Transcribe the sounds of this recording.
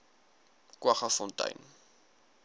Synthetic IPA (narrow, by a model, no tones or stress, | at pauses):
kwɐχɐfɔntɐ̰jn